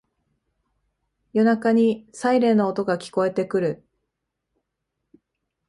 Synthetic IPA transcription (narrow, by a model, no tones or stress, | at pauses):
jo̞nakaɲ̟isaiɾe̞ːno̞ːt̪o̞ɡakʲi̥ko̞e̞t̪e̞kɯ̟ɾɯ̟